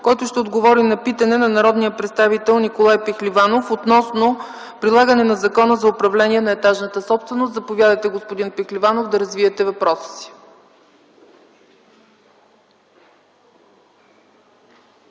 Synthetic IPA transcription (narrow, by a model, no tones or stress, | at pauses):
kɔjt̪ʊʃt̪ɛod̪ɡovɔɾinɐpit̪ɐnɛnɐnɐɾɔd̪nijəpɾɛt̪st̪avit̪ɛlˠnikolˠajpɛxlivanofot̪nɔsno | pɾilˠaɡənɛnɐzɐkɔnəzɐʊpɾɐvlɛnʲiɛnɐɛt̪aʒnət̪əsɔpst̪vɛnost̪zɐpovʲjad̪əjt̪ɛɡoʊspʊd̪inpɛxlivanovd̪ɐɾɐzviɛt̪ɛvɐpɾɔsə̥si̥